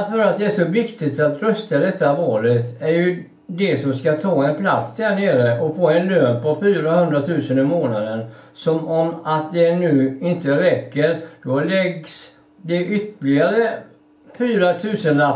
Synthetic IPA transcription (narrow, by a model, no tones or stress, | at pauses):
fœɾat̪̚d̪ɛæʂɔvɪkt̪ɪt̪at̪ɾœst̪ad̪ɛt̪ːavɑːlət̪æɾjɵ | d̪ɛsɔmskat̪ʰɑːɛnpʰla̰t̪sd̪æɳeːɾəʔɔfoːɛnløːnpʰɔfyːɾahɵnd̪ɾat̪ʰʉ̟ːsənɪmoːnad̪ənsɔmɔmat̪̚d̪ɛnʉ̟ːɪnt̪əɾɛkːəɾd̪̥ɔlɛɡs | d̪ɛʔʏt̪ːəlɪaɾə | fyːɾat̪ʰʉ̟ːsəna